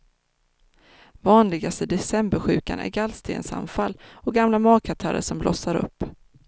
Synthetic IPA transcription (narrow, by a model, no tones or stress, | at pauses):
vɑːnlɪɡast̪əd̪ɛsɛmbəɾɧʉ̟ːkanʔæ̰ɾɡalst̪ʰḛːnsa̰nfalːɔɡamlamɑːkʰat̪ʰa̰ːɾə̰ʂɔmblɔsaɾɵ̰pː